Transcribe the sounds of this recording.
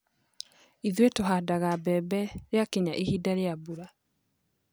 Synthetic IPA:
iðwetoɦadaɣabɛbɛɾeakiɲaʔehidaɾeabuɾa

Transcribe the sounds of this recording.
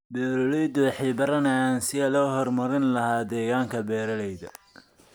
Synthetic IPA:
bɛːɾɔlɛjd̪ʊħɪːbɐɾɐnɐaːnsɪɐlɔːhɔrmɐɾɪnlɐhaːd̪ɛːɣaːŋkʰɐbɛːɾɐlɛjðɐ̰

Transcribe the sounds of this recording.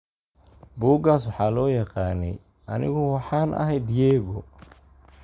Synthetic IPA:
buːɡaːswɑħɑːlɔːjɑqɑːnɛ̰j | ʔɐnɪ̰ɣɔwɑħɑːnʔɐ̰ɦɛjd̪jɛːɣɔ

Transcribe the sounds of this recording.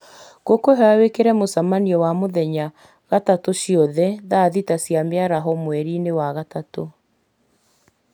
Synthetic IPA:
ɣokoɦɛawekeɾɛmosamaniɔwamoðɛɲa | ɣatatoʃiɔðɛðaðitasjameaɾaɦɔmwɛɾinewaɣatato

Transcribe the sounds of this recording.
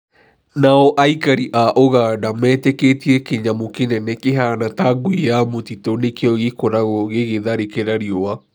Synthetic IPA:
naɔʔaikaɾiʔaʔoɣadamɛtɛketiɛkeɲamokenɛnɛkeɦanataɡuijamotitonekeɔɣekoɾaɣoɣeɣeðaɾekeɾaɾiowa

